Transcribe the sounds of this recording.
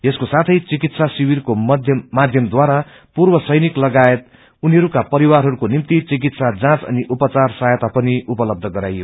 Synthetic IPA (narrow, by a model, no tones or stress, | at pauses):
eskosat̪ʰʌjt͡sikit̪sasiwirkoʌd̪ʱjmad̪ʱjʌmd̪waɾa | purbʌsʌjniklʌɡaet̪̚ | uniɦʌɾukapʌɾiwarɦʌɾukonimt̪it͡sik̬it̪sad͡zãt͡sʌ̰niʔupʌt͡sarsajʌt̪apʌniupʌlʌb̚d̪ʱʌɡʌɾa̰jjo